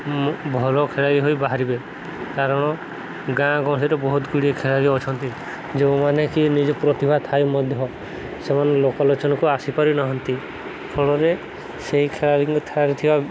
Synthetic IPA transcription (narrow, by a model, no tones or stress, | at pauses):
bʱɔlɔkʰeɭaɾiɦojbaɦaɾibe | kaɾɔɽ̃ɔ | ɡãɡɔ̃siɾɔbɔɦut̪ɡuɽiekʰeɭaɾiɔt͡ʃʰɔnt̪i | d͡ʒew̃manekinid͡ʒɔpɾɔt̪ibʱat̪ʰajmɔd̪ʱjɔ | semanelokalot͡ʃɔnɔkuasipaɾinaɦɔnt̪i | pʰɔɭɔɾe | seɦikʰeɭaɾiŋɡɔt̪ʰeɭaɾit̪ʰiba